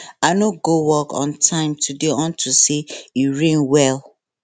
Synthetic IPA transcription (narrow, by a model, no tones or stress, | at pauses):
anoɡowɔkʰɔ̰̃ntʰãɪ̃mtʰudeɔ̃ntʰusejiɹẽnwɛl